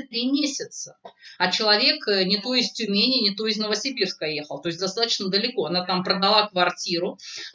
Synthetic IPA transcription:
t̪ɾʲimʲesʲɪt̪səɐt͡ɕɪlˠɐvʲe̞knʲɪt̪oɪsʲtʲʊmʲenʲɪnʲɪt̪oɪzʲnəvəsʲɪbʲirskəjexəlˠt̪o̞ɪsʲd̪ɐst̪at̪ə̥t͡ɕnəd̪əlʲɪko̞ɐnat̪ampɾəd̪ɐlˠakvɐrtʲiɾʊ

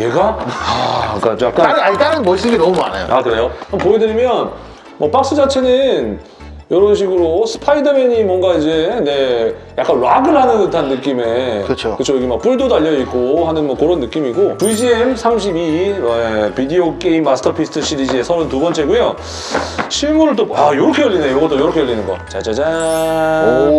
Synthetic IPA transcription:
jeɡaak͈ad͡ʑojak͈aat͈aɾɯnmʌis͈ɯɡenʌmuma̰na̰jo̰akɯɾejoampoedɯɾimjʌn | mwʌp͈ak̚s͈ɯd͡ʑat͡ɕʰe̞nɯn | jʌɾʌnɕʰiɡɯɾosʰɯ̥pʰaidɯme̞ɲimwʌŋɡaid͡ʑe̞ne̞ja̰k͈anwaɡɯɭɦhanɯnɯtʰanːɯk͈ime̞kɯkt͡ɕʰokɯt͡ɕʰojʌɡemak̚p͈uɭdodaʎːʌit̚k͈oɦanɯnmwʌkɯɾʌnːɯk͈imiɡopud͡ʑiemsʰamɕ̬ʰibiepideok͈eimːasʰɯ̥tʰʌpʰisʰɯ̥tʰɯɕ͈ʰiɾid͡ʑie̞sʰʌɾontubʌnt͡ɕ͈e̞ɡujo | ɕʰimuɾɯɭt͈oajoɾʌkʰejʌʎːindejoɡʌt͈ojʌɾʌkʰejʌʎːinɯnɡʌ̰t͡ɕad͡ʑad͡ʑa

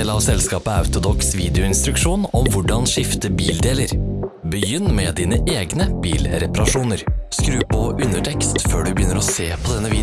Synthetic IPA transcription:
lɑːʋsɛlskɑːpəɑʉt̪ʊd̪ɔksʋiːd̪ɪʊɪnst̪ɾʉkʂuːnɔmʋʊɖɑnʂɪft̪əbiːld̪eːləɾbəjʏnːmɛd̪iːnəʔeːɡnəb̥iːlɾɛpɑɾɑʂuːnəɾskɾʉːpʰɔʔʉnəʈʰɛkst̪føːɖʉbəjʏnːəɾɔseːpʰɔd̪ɛnːəʋiː

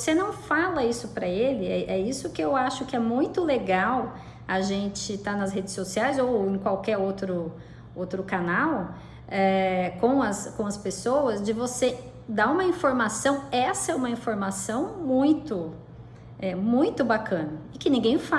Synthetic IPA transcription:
vsenɐ̃w̃falɐisʊpɾɐelɪɛʔɛisʊkɪewaʃʊkɪɛmũj̃t̪ʊleɡaw | ɐʒẽnt͡ʃɪt̪anɐsɦed͡ʒɪsːosiajzowẽkwawkɛɾowt̪ɾʊ | owt̪ɾʊkanaw | ɛkõw̃ɐskõɐspesowɐzd͡ʒɪvose | d̪aɾũmɐĩfoɾmasɐ̃w̃ɛsɐɛũmɐĩfoɾmasɐ̃w̃mũj̃t̪ʊ | ɛmũj̃t̪ʊbakɐ̃nɐɪkɪnĩŋɡẽj̃fa

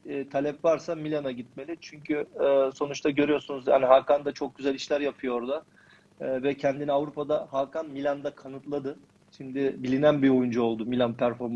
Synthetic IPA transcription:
ɛːt̪ʰalʲɛpvaɾsamilʲanaɟit̪̚me̞lʲit͡ʃʰyɲcʰyːso̞nut͡ʃt̪ʰaɟø̞ɾyjo̞ɾsunuzja̰niɦakand̪at͡ʃʰo̞k̚ɟyzælʲiʃlʲæɾjapʰɯjo̞ɾd̪aː | vɛcʰɛnd̪iniavɾupʰad̪ahaːkʰanmilʲand̪akʰanɯt̪lˠad̪ɯ | ʃimd̪ɪbilʲinænbio̞jund͡ʒuo̞lˠd̪umilʲanpʰæɾfo̞ɾm

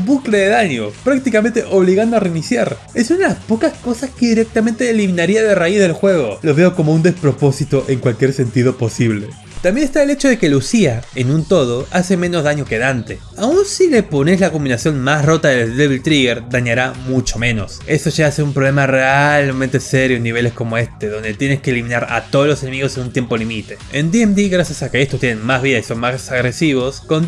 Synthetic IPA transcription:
bukle̞ðeðaɲopɾak̚t̪ikame̞nt̪e̞ʔo̞βliɣand̪oareinisjaɾe̞sunaðeaspo̞kasko̞saske̞ðiɾek̚t̪ament̪eːlimĩnaɾiaðeraizðelxwe̞ɣ̞o̞lo̞βe̞oko̞mo̞und̪e̞spɾo̞po̞sit̪o̞ʔe̞ŋkwalkje̞ɾse̞nt̪iðopo̞siβle̞ | t̪ambje̞nest̪aele̞t͡ʃo̞ðe̞ke̞lusiaenũnt̪o̞ð̞o̞ase̞mẽ̞no̞zðaɲo̞ke̞ðant̪e̞ | aunsile̞po̞neslakombinasjo̞nmasro̞t̪aðeld̪eβilt̪ɾiɣeɾd̪aɲaɾamut͡ʃo̞mẽ̞no̞se̞stoʒaaseumpɾoβlemarealmẽnt̪eseɾjoenːiβ̞e̞le̞sko̞mo̞e̞st̪e̞ðo̞nd̪e̞t̪jeneskeːlimĩnaɾa̰t̪oðolo̞sene̞miɣo̞senunt̪je̞mpo̞limit̪e̞̥end̪iemd̪iɣɾasjasakeest̪ost̪jenenmazβiðaiso̞nmasaɣɾe̞siβ̞o̞sko̞n

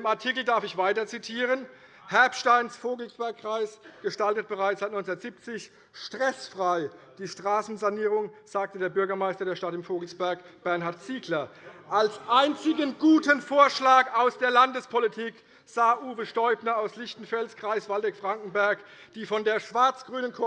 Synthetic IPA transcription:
ɪmaɐtʰikl̩daɐfɪçv̥aɪtɐt͡sitʰiːʁən | hɛɐpʃtaɪnsfoːɡl̩sb̥ɛɐkːʁ̥aɪsɡ̥əʃtaltət̚b̥əʁaɪt͡ssz̥aɪt̚nɔt͡sːdɐtz̥ip̚t͡sɪç | ʃtʁ̥ɛsfʁ̥aɪd̥iːʃtʁ̥aːsn̩zaniːʁ̞ʊŋz̥aːk̚tədeːɐbʏɐɡɐmaɪstɐdeːɐʃtatɪmfoːɡl̩sb̥ɛɐk | b̥ɛɐnhaɐtt͡siːklɐʔalsʔaɪnt͡sɪɡənɡuːtənfoːɐʃlaːkaʊsd̥eːɐlandəspʰɔlitʰiːk | z̥aːʔuːvəʃtɔʏpnɐaʊslɪçtn̩fɛlskʁ̥aɪsv̥aldɛkfʁ̥aŋkŋ̩bɛɐkd̥iːfɔndeːɐʃv̥aɐt͡sɡ̥ʁyːnənkʰo

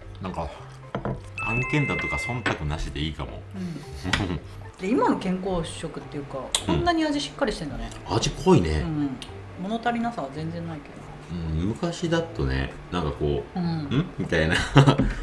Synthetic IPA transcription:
nãŋka | ãŋkẽnd̪at̪o̞kasõ̞nt̪akɯ̟naɕit̪e̞iːka̰mo̰ɯ̃ɯ̃ | d̪eimano̞kẽ̞ŋko̞ːɕokɯ̟t̪ːe̞jɯ̟kakõnːaɲ̟iaʑiɕi̥kːaɾʲiɕi̥t̪ẽ̞nd̪one | aʑikʰoine̞̰ɯ̟̃ | mo̞not̪aɾʲinasaβazẽ̞nd͡zẽ̞nːaike̞d̪o | ɯ̟̃ːmɯ̟kaɕid̪at̪ːo̞ne̞̰ | nãŋkako̞ːɯ̃ɯ̟̃mʲit̪aina

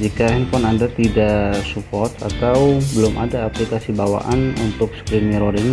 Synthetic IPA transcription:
d͡ʒikahɛnpɔnandat̪idaʔsupɔrt̪at̪awbəlʊmʔadaːplikasibawa̰ʔanunt̪ʊk̚skɾimiɾoɾiŋ

